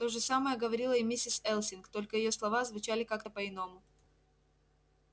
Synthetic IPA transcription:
t̪o̞ʐɨsaməjəɡəvɐɾʲilˠəɪmʲisʲɪsɛlˠsʲɪnkt̪o̞lʲkəjɪjo̞slˠɐvazvʊt͡ɕælʲɪkak̚t̪əpəɪno̞mʊ

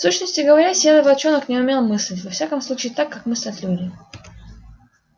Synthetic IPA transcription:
fsuɕnəsʲtʲɪɡəvɐɾʲasʲelˠəvɐt͡ɕonəknʲɪʊmʲe̞lˠmɨsʲlʲɪtʲvɐfsʲakəmslˠut͡ɕɪːt̪akːakmɨsʲlʲɪt̪ʲlʲudʲɪ

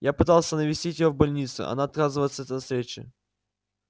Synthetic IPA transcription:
japɨt̪alˠsʲənəvʲɪsʲtʲitʲɪjovbɐlʲnʲit̪sʊ̰ɐ̰naɐt̪̚kazɨvəjɪt̪sət̪nɐsɾʲet͡ɕɪ̰

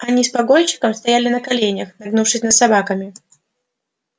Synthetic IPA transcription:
ɐnʲispɐɡojt͡ɕːɪ̥kəmst̪ɐjalʲɪnɐkalʲenʲəxnɐɡnufʂɨsʲnɐd̪sabakɐmʲɪ

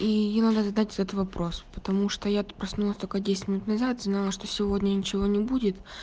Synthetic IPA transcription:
ijanad̪ˠazɐd̪atʲɛt̪ət̪vɐpɾo̞spə̥t̪ɐmuʂt̪ojapɾɐsnulˠəsʲt̪olʲkədʲesʲɪtʲmʲɪnut̪nɐzat̪znalˠəʂt̪osʲɪvo̞dʲnʲənʲɪt͡ɕɪvo̞nʲɪbudʲɪt̪

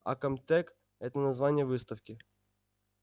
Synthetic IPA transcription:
a̰kɐmt̪ɛk | ɛt̪ənɐzvanʲɪjəvɨst̪ɐfkʲɪ

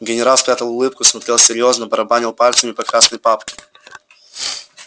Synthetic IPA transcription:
ɡʲɪnʲɪɾalˠspɾʲat̪əlˠʊlˠɨpkʊsmɐt̪ɾʲelˠsʲɪɾʲjo̞znəbəɾɐbanʲɪlˠpalʲt̪səmʲɪpɐkɾasnəjpapkʲɪ̥

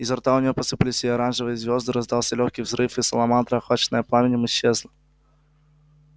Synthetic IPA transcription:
ɪzɐrt̪aʊnʲɪjo̞pəsɨpɨlʲɪsʲɪɐɾanʐɨvɨjəzʲvʲo̞zd̪ɨɾɐzd̪alˠsʲɐlʲoxkʲijvzɾɨfɨsəlˠɐmant̪ɾəɐxat͡ɕɪnəjəplˠamʲɪnʲɪmɪɕːezlˠə

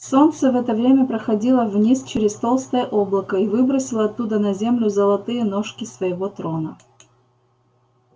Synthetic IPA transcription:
so̞nt̪səvɛt̪əvɾʲemʲəpɾəxɐdʲilˠəvnʲist͡ɕɪɾʲɪst̪o̞lˠst̪əjəʔo̞blˠəkəivɨbɾəsʲɪlˠəɐt̪ːud̪ənɐzʲemlʲʊzəlˠɐt̪ɨjənoʂkʲɪsvəɪvo̞t̪ɾo̞nə

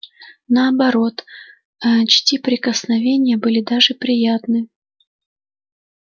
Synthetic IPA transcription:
nəɐbɐɾo̞t̪ | ət͡ɕtʲipɾʲɪkəsnɐvʲenʲɪjəbɨlʲɪd̪aʐɨpɾʲɪjat̪nɨ

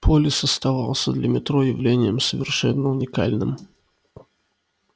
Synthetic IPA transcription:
pʰolʲɪsəst̪ɐvalˠsʲəd̪lʲəmʲɪt̪ɾojɪvlʲenʲɪjəmsəvʲɪrʂɛnːəʊnʲɪka̰lʲnɨ̰m

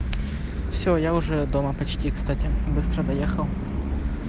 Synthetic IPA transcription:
fsʲojaʊʐɛd̪oməpɐt͡ɕtʲikst̪atʲɪbɨst̪ɾəd̪ɐjexəlˠ

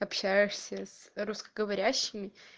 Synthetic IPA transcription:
ɐpɕæjɪʂsʲəsrʊskəɡəvɐɾʲæɕːɪmʲɪ

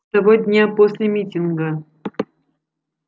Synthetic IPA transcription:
t̪ɐvod̪ʲnʲaposʲlʲɪmʲitʲɪnɡə

